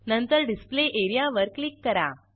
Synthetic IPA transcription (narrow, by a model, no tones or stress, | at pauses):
nənt̪əɾɖispleʔeɾijaʋəɾklikːəɾa̰